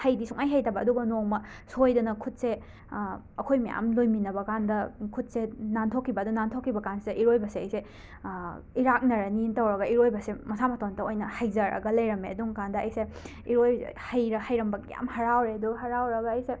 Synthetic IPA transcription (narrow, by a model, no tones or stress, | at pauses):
hɐjdisuŋajɦɐjtɐbɐːduɡɐnoŋmɐ | sojdɐnɐkʰut̚se | ɐkʰojmɐja̰mlojminɐbɐkandɐkʰut̚senantʰokʰːibɐdunantʰokʰːibɐkansideʔiɾojbɐseɐjse | iɾak̚nɐɾɐnintɐwɾɐɡɐiɾojbɐsemɐsamɐtʰoŋtɐojnɐhɐjzɐɾɐ̰ɡɐlɐjɾɐmeɐduŋkandɐːjse | iɾojhɐjɾɐhɐjɾɐmbɐɡḛja̰mhɐɾawɾeduɦɐɾawɾɐɡɐːjse